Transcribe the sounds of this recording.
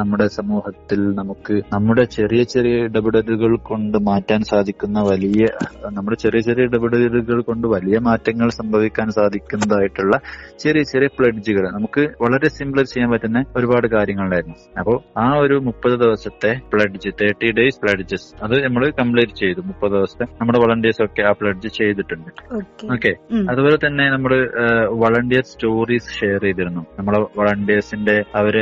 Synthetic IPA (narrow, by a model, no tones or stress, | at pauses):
nɐmːuɽe̞sɐmuːhɐt̪ːilnɐmukːɨnɐmːuɽe̞t͡ɕe̞rijɐt͡ɕerijɐiɖɐbɨɽɐɾuɣɐɭko̞ɳɖɨmaːtːaːnsaːd̪ʱikʲːunːɐʋɐlijɐnɐmːuɽe̞t͡ɕerijɐt͡ɕerijɐiɖɐbɨɽɐɾɐɾuɣɐɭko̞ɳɖɨʋɐlijɐmaːtːɐŋːɐɭsɐmbʱɐʋikʲːaːnsaːd̪ʱikʲːunːɐðaːjiʈːuɭːɐt͡ɕe̞rijɐt͡ɕerijɐpɭɐʈːid͡ʑiɣɐɭnɐmukːɨʋɐɭɐɾe̞simbɭɐɾt͡ɕejɐmpɐːtːɐnːeo̞ɾubaːɽɨkaːɾjɐŋːɐɭlaːjɾunːu | ɐpːo̞ːɭaːo̞ɾumupːɐðɨd̪iʋɐsɐt̪ːe̞pɭɐɖid͡ʑit̪eːʈːiɖejspɭɐʈd͡ʑisɐðɨnɐmːɐɭɨkɐmbɭeːʈit͡ɕːe̞jt̪ːumupːɐðɨd̪iʋɐsɐt̪ːenɐmːuɽeʋɐɭɐɳɖijɐso̞kːe̞aːpɭɐʈd͡ʑit͡ɕe̞jt̪̬ːiʈːuɳɖɨokeoːkːeɐðubo̞ːle̞t̪ɐnːe̞nɐmːɐɭɨʋɐɭɐɳɖijɐsstoːriːsʂe̞jɐrejt̪iɾunːunɐmːɐɭeʋɐɭɐɳɖijɐsinde̞ɐʋɐɾ